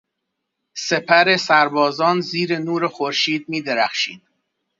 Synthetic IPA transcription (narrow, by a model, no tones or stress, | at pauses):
se̞pʰæɾe̞sæɾbɒːzɒːnziːɾenuːɾexoɾʃiːd̪̚miːd̪eɾæxʃiːd̪̥̚